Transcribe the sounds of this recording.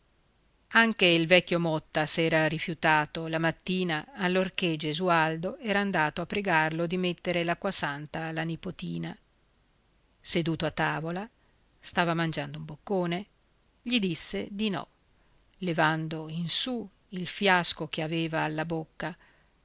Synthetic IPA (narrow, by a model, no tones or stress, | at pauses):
aŋkeilvɛkʲːjomɔt̪ːasɛːɾaɾifjut̪aːt̪olamat̪ːiːnaːlːorked͡ʒezuald̪oɛːɾaːnd̪aːt̪oapːɾeɡarlod̪imet̪ːeɾelakːwasant̪alanipot̪iːna | sed̪uːt̪oat̪ːaːvola | st̪aːvamand͡ʒand̪oumbokːoːne | ʎid̪isːed̪inɔ̰ | levand̪oinsu | ilfjaskok̟eaveːvaːlːabokːa